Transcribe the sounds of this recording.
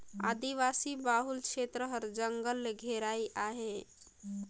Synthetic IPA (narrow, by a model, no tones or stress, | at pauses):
a̰ːd̪iʋasibaɦulkʃʰet̪ɾəɦəɾd͡ʒəŋɡəlːeɡʱeɾaiʔaɦe